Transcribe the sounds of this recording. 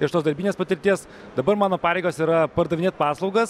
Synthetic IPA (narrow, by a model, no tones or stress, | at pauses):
ɪʃt̪oːsd̪ɐɾʲbʲinʲeːspɐt̪ʲɪɾʲt̪ʲiɛs | d̪ɐbɐɾmɑːnoːpɑːɾʲeɪɡoːsiːɾɐpɐɾd̪ɐʋʲɪnʲeːt̪̚pɑːslˠɒʊɡɐs